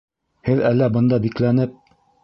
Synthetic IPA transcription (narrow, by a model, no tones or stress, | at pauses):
hɘðælːæbɤ̆nd̪ɑbiklænɘp̚